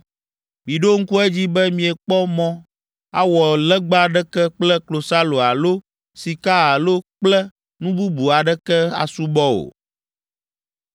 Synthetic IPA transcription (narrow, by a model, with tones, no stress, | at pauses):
mi˨ɖo˦ŋ̩˦ku˦ɛ˦d͡ʑi˦bɛ˦mĩ˨ɛ˨k͡pɔ˦mɔ̃˦ | a̰˦wɔ˨lɛ˦ɡ͡ba˦ɖɛ˦kɛ˦k͡plɛ˦klo˨sa˦lo˨a˨lo˦ | si˨ka˦a˨lo˦k͡plɛ˦ | nũ˦bu˦bu˨a˨ɖɛ˦kɛ˦a̰˨su˦bɔ˦o̰˨